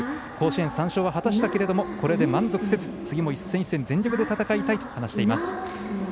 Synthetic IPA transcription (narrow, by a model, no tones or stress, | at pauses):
kʰo̞ːɕiẽ̞ɰ̃sãɰ̃ɕo̞ːβaɦat̪aɕi̥t̪ake̞ɾe̞d̪o̞mo̞ko̞ɾe̞d̪e̞mãnzo̞kɯ̟̥set͡sɨ̥t͡sɨɡʲimoisːẽisːẽ̞nd͡zẽɲʲd͡ʑo̞kɯ̟d̪e̞t̪at̪akait̪ait̪o̥hanaɕi̥t̪e̞imasɨ̥